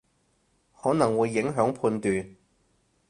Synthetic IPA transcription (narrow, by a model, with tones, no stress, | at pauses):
hɔː˨˥nɐ˨˩ŋwuː˨˧jːɪ˨˥ŋɦœː˨˥ŋpʰuː˧nt̪yː˨n